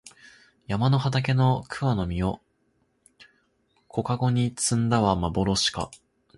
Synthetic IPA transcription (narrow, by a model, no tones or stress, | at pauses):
jamano̞ɦat̪ak̬e̞no̞kʰɯ̟βano̞mʲio̞ | kʰo̞kaɡo̞ɲ̟it͡sɨ̃nd̪aβamabo̞ɾo̞ɕi̥ka̰